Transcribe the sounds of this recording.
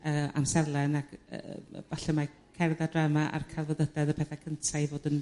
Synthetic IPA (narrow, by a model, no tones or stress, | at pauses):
əa̰msɛrlˠɛnaɡə̰vaɬɛma | kʰɛrðadramaʔa̰rkʰarvɔðədɛðəpʰɛθɛkʰəntʰaivoːdən